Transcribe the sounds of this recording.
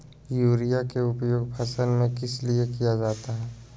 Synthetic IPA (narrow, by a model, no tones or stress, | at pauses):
juːɾijakeʊpjoːɡpʰɐsəlmẽkɪsliekijad͡ʒaːt̪aɦɛː